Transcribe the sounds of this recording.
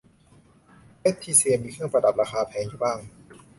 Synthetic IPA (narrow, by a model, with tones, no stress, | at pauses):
le˦˥tt̪ʰːiː˥˩si˧əmiː˧kʰɯ˥˩əŋpɾa˧da˨˩p̚ɾaː˧kʰaː˧pʰɛː˧ŋju˨˩baː˥˩ŋ